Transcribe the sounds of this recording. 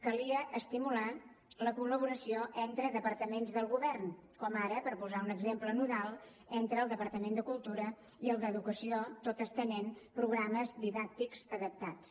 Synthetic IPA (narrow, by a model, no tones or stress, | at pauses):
kəliəʔəst̪imula | ləkuləβ̞uɾəsioʔɛnt̪ɾəðəpəɾt̪əmenzðəlˠɣuβɛrnkɔmaɾəpəɾpuzaunəɡzemplənuðalˠ | ɛnt̪ɾəːlˠd̪əpəɾt̪əmend̪əkulˠt̪uɾə | iəlˠd̪əðukəsiot̪ot̪əst̪ənenpɾuɣɾaməzd̪iðak̚t̪ikzəðəp̚t̪at͡s